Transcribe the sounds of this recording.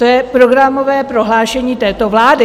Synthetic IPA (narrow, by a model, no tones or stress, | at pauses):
t̪ojɛpɾo̞ɡɾamovɛːpɾoɦlaːʃɛɲiːt̪ɛːt̪ovlaːdɪ